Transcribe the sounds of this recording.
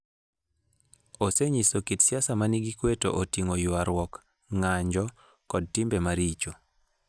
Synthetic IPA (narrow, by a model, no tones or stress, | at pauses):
oseɲisokitsjasamaniɡikweto̰ʔotiŋojʊaɾwɔk | ŋaɲd͡ʒɔ | kɔd̚timbemaɾit͡ʃo